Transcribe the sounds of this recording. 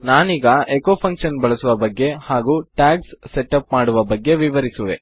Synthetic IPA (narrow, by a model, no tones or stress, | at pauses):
naːniːɡɐʔekopʰɐŋkʂɐnbɐɭɐsuʋɐbɐɡːe̞haːɡuːʈaːksːeʈɐpmaːɽuʋɐbɐɡːe̞ʋiʋɐɾisuʋe̞